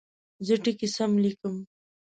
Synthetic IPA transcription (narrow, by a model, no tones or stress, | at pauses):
zəʈikisamlikəm